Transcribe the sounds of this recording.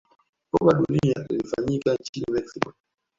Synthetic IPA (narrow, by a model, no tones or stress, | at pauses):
kɔɓaɗunialḭlifa̰ɲikant͡ʃinimɛksikɔ